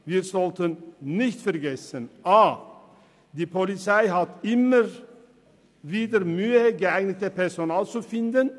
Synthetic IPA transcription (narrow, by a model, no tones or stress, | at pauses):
viːɾzɔlt̪ənnɪçt̪fɛɾɡɛsənʔaː | d̪iːpʰɔlɪt͡saɪɦat̪ɪmːəɾ | viːd̪əɾmyːəɡəaɪɡnɪt̪əpʰɛʁsonaːlt͡sufɪnd̪ən